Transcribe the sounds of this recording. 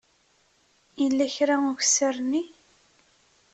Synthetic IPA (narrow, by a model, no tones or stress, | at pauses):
jəlːæçɾaʊçsərni